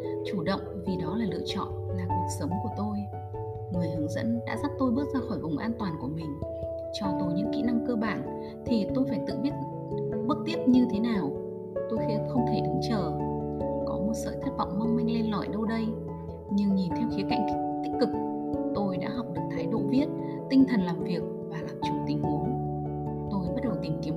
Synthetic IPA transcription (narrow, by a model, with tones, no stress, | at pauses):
t͡ɕu˧˩ɗə̰˧˨wŋ͡mvi˨˩ɗɔ˨˦laː˨˩lɨ̰˧ət͡ɕɔ̰˧˨nlaː˨˩ku˨˩ək̚sə˨˦ŋ͡mku˧˩ət̪o˧j | ŋɨ˨˩əjhɨ˨˦ŋzə̰˧˥nɗa̰ː˧˥zaː˦˥t̚t̪o˧jɓɨ˦˥t̚zaː˧xɔ˧˩jvʊ˨˩wŋ͡mʔaː˧nt̪waː˨˩nku˧˩əmï˨˩ŋ̟ | t͡ɕɔ˧˩t̪o˧jɲɨ̰˧˥ŋkḭ˧˥na˧mkəː˧ɓaː˧˩n | t̪ʰi˨˩t̪o˧jfaː˧˩jt̪ɨ̰˧˨ɓi˦˥ət̚ | ɓɨ˦˥k̚t̪i˦˥əp̚ɲɨ˧t̪ʰe˨˦naː˨˩w | t̪o˧jxɛ˧˥xə˧wŋ͡mt̪ʰe˧˩ʔɨ˨˦ŋt͡ɕəː˧˩ | kɔ˨˦mo˨˩t̚sə̰ː˧˩t̪ʰə˦˥t̚v̰wŋ͡mma˧wŋ͡mmï˧ŋ̟le˧nlɔ̰˧˩jɗə˧wɗə˧j | ɲɨ˧ŋɲi˨˩nt̪ʰɛ˧mxi˨˦ka̰˧˨jŋ̟t̪i˦˥k̟̚kɨ˨˩k̚ | t̪o˧jɗa̰ː˧˥ɦɔ˨˩k͡p̚ɗɨ˨˩ək̚t̪ʰaː˨˦jɗo̰˧˨vi˦˥ət̚ | t̪i˧ŋ̟t̪ʰə˨˩nlaː˨˩mvi˨˩ək̚vaː˨˩laː˨˩mt͡ɕʊ˨˧˩ŋ͡mt̪ï˨˩ŋ̟hu˨˦n | t̪o˧jɓa˦˥t̚ɗə˨˩wt̪ï˨˩mki˨˦ə